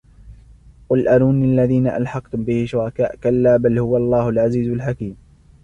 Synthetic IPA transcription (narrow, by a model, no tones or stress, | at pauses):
qʊlʔanuːniʔalːaðiːnaʔa̰lħɑqt̪ʊmbɪhɪʃʊɾˤɑkaːʔkalːaːbalhʊwalˤːɑːhʊlʕaziːzalħakiːm